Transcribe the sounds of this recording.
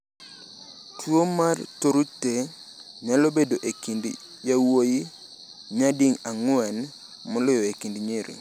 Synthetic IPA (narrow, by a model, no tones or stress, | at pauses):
tʰwomartoɾute | ɲalobedoʔekind | jawoji | ɲadiŋaŋwɛn | mɔlʊjɔekindɲeɾḭ